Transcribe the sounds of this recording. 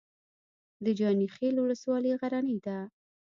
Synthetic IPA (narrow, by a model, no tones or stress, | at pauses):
d̪əd͡ʒɑnixelwʊləswɑleɣaɾanəjd̪a